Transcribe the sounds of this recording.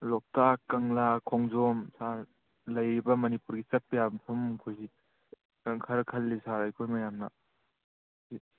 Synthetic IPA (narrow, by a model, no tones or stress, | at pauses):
lɔk̚takːɐŋlakʰɔŋzɔmsaɾ | lɐjɾibɐmɐnipuɾɡit͡ʃɐt̚pɐjabmsʰomkʰujzi | kʰɐɾkʰɐlːisaɾajkʰojmɐjamnɐ̰ | si